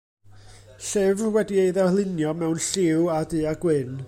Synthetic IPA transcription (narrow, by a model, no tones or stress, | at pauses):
ɬɛvwɛdieɨðalˠɪnjɔmɛwnɬɪwadɨːaɡwɪn